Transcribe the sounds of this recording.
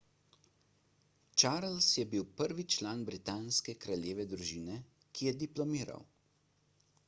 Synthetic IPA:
t͡ʃaːɾlsjɛbiwpəɾʋit͡ʃlaːnbɾit̪aːnskɛkɾalʲjeːʋɛd̪ɾuʒiːnɛ | kʰijɛd̪iplɔmiːɾa̰w

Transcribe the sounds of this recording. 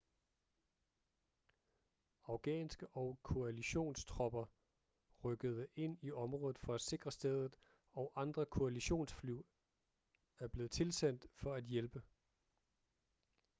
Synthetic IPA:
ɑ̈ʊɡ̥ɛ̰ːnsɡ̥əʔɒ̽ʊkʰo̝æliɕo̝̰ːnst͡sʰʁɒ̽b̥ɐ | ʁœɡ̥əð̞ˠəʔe̝n̰iɒ̽mʁɔ̽ːðˠð̩ˠfɒ̽æse̝ɡ̥ʁɐsd̥eð̞ˠð̩ˠ | ɒ̽ʊʔɑ̈nd̥ʁɐkʰo̝æliɕo̝̰ːnsflyʊ | æɐb̥le̝ːð̞̩ˠt͡sʰe̝lsen̰d̥fɒ̽æd̥jelb̥ə

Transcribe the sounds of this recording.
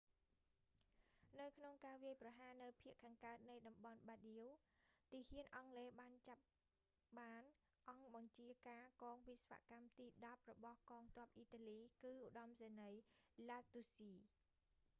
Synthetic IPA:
nɨwkʰnoŋkaːʋiəjprɑɦaːnɨwpʰiəʔkʰːaːŋkaət̪̚nɨjɗɑmɓɑnɓaɗiut̪iːhiənʔɑŋleːɓaːnt͡ɕap̚ | ɓaːn | ʔɑŋɓɑŋt͡ɕiəkaːkɔːŋpisʋa̰ʔkamt̪iːɗɑp̚rɔɓɑhkɑːŋt̪ŏəp̚ʔiːt̪aːliːkɨːʔuɗɑmseːnəjlaːt̪usiː

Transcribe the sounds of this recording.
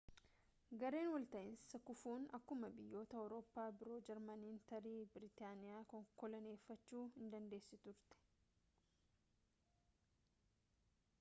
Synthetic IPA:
ɡɐɾe̞ːnwɔlt̪ɐʔɪnssɐkʊfuːnɐkːʊmɐbɪjːo̞ːt̪ɐɔɾoːpːaːbɪɾo̞ːd͡ʒɛɾmɐniːnt̪ɐɾiːbɪɾɪt̪aːnɪjaːkɔŋkɔlɐne̞ːfːɐt͡ʃːuːhɪnd̪ɐnd̪e̞ːsːɪt̪ʊɾt̪ɛ̥

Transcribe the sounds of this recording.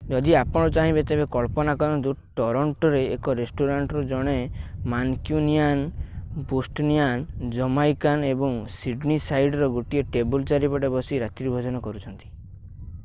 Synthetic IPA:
d͡ʒɔd̪iapɔɽ̃ɔt͡ʃaɦĩbet̪ebekɔɭpɔnakɔɾɔnd̪uʈɔɾɔɳʈɔɾeːkɔɾesʈoɾaɳʈɾud͡ʒɔɽ̃emankjunianpusʈnijand͡ʒɔmajkanebɔŋsiɖnisajɖɔɾɔɡuʈieʈebult͡ʃaɾipɔʈebɔsiɾat̪ɾibʱɔd͡ʒɔnɔkɔɾut͡ʃʰɔnt̪i̥

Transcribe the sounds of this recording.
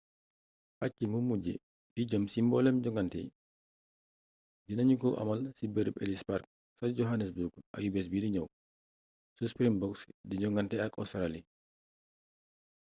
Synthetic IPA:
pat͡ʃːimumːud͡ʒɛ̰ | d̥id͡ʒəmsimbɔlɛmd͡ʒɔŋɡantɛ̰j | dinaɲukɔwʔa̰malsibɛɾbɛ̰lispaɾk̚ | sad͡ʒɔɦanɛsbuɾɡʔa̰jubɛs̬bidiɲaw | suspɾinbɔksdid͡ʒɔŋɡantɛakɔ̰saɾali

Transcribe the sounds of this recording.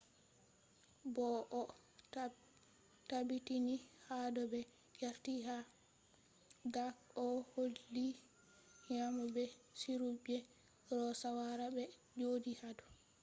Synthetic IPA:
bɔʔɔ | tabitinihadɔbɛ | jaɾtiɦa | ɡakɔholːi | ɲamɔbɛsiɾubɛ | ɾɔsawaɾabɛd͡ʒodihadɔ

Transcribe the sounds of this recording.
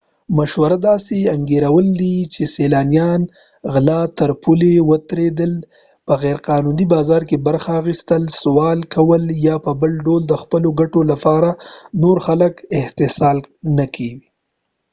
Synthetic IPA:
maʃwaɾad̪ɑseaŋɡeɾawəld̪it͡ʃeselɑnijɑn | ɣlɑt̪əɾpʰulewət̪ɾed̪əl | pəɣɛɾqɑnunibɑːzɑɾkebaɾxaːxist̪əlswɑlkawəljɑpəbəlɖold̪əxpəloɡaʈolapɑɾanoɾxaləkɪht̪ɪsɑlnəkʰewi

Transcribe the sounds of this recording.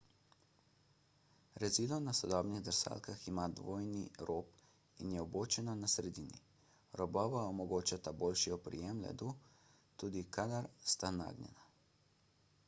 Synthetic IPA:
ɾɛziːd̪lɔnasɔd̪ɔːbniɣd̪əɾsa̰ːlkaximad̪ʋoːjniɾoːp | injɛɔboːt͡ʃɛnɔnasɾɛd̪iːnḭ | ɾɔbɔːʋaɔmɔɡoːt͡ʃat̪aboːlʃiɔpɾḭjɛmlɛ̰d̪u | t̪uːd̪ikad̪aɾst̪ana̰ːɡnʲɛ̰na

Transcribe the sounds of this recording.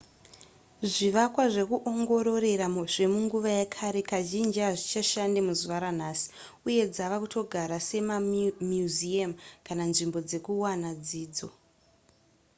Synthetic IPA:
ʐiʋakwaʐe̞kuʔo̞ŋɡo̞ɾo̞ɾe̞ɾamuʐe̞muŋɡuʋajakʰaɾe̞kaʒind͡ʒiaʐit͡ʃaʃandemuzuʋaɾan̤aːsi̥ | uje̞d͡zaʋakuto̞ɡʱaɾase̞mamjuziamkananʐimbo̞d͡ze̞kuwanad͡ziːd͡zo̞

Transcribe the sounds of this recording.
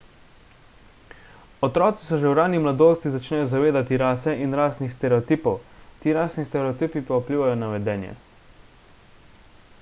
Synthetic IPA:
ɔt̪ɾɔːt̪sisɔʒɛwɾaːnimlad̪oːst̪izat͡ʃnɛjɔzaʋeːd̪at̪iɾaːsɛʔinɾaːsnixst̪ɛɾɛɔt̪iːpɔwt̪iːɾaːsnist̪ɛɾɛot̪iːpipaupliːʋajɔnaʋɛd̪ɛːnjɛ̰

